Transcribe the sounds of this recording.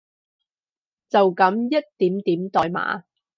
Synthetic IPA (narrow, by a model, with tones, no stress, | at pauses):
t͡sɐ˨wkɐ˨˧˥mjɐ˥t̚t̪iː˨˥mt̪iː˨˥mt̪ɔː˨jma̰ː˨˧˥